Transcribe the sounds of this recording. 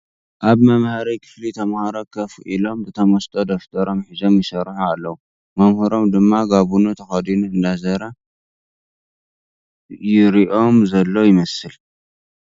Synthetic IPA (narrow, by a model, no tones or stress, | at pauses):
ʔaβmɐmhɐɾɐjkʰɨ̥flit̪ʰɐmhaɾokʰɐfʔilo̞mbɨt̪ʰɐmost̪ʼod̪oft̪ʰɐɾo̞mħizo̞mjɪsɐɾħualːɐwu | mɐmhɨɾo̞md̪ɨmːaɡaβunut̪ʰɐxɐd̪inuɨnd̪azɐɾɐ | jɪɾiʔo̞mzɐlːo̞jɪmɐsɨl